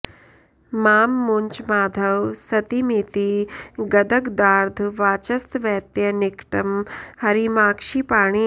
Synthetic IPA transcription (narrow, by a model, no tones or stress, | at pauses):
maːmːuɲt͡ʃmaːd̪ʱɐwsɐt̪imiːt̪iɡɐd̪ɐɡd̪aːɾd̪ʱʋaːt͡ʃɐst̪ʋɛːt̪jɐnikʈɐmhɐɾimaːkʃiːpaːɽ̃i